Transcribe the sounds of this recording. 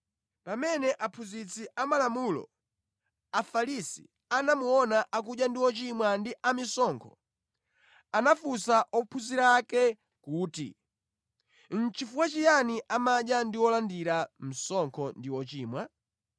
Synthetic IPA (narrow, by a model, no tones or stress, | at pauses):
pamɛnɛʔapʰuzit͡sʰiamalamulɔ̰ | afalisḭ | anamuɔnaʔak̬uʄjandiwɔt͡ʃimwandiʔamisɔŋkʰɔ | anafusaʔɔpʰuziɾakɛ | kuːtḭ | n̩t͡ʃifuwat͡ʃijaniʔamaɗjandiwɔlandiɾam̩sɔŋkʰɔndiwɔt͡ʃiːmwa